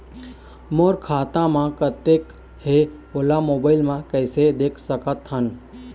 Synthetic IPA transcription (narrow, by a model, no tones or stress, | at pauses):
moɾkʰaːt̪ãmãkət̪ːek | he | olamoːbaɪlmãkəɪsed̪eːkʰsəkət̪ɦən